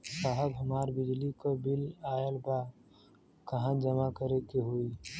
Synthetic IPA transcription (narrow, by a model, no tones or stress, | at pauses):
saɦəbɦəmaːɾbɪd͡ʒlikobɪlaːəlba | kəɦãd͡ʒəmakəɾekeɦui